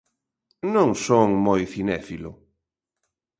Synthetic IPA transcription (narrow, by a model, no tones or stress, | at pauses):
nõŋsoŋmojθinɛfilʊ